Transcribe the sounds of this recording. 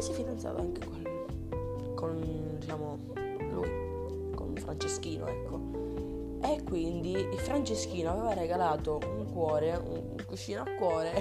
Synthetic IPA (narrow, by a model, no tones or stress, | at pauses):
sifid̪ant̪sa̰ːt̪a̰aŋkekwelː | kond̪it͡ʃaːmo | lṵːi | ko̰nfɾant͡ʃesk̟iːno̰ɛkʰːo | ekːwind̪iilfɾant͡ʃesk̟iːnoavɛːvareɡalaːt̪ouŋkwɔːɾeṵn | kut͡ʃːiːnoakːwɔːɾe